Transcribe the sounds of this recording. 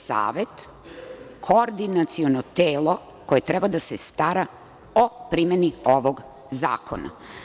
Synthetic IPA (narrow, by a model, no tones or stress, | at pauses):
sa̰ːʋe̞t̪ | kʰoɾd̪inat̪sionot̪eːlˠo | ko̞jet̪ɾebad̪asest̪aɾa | opɾimenioʋoɡ | za̰ːkʰo̰na̰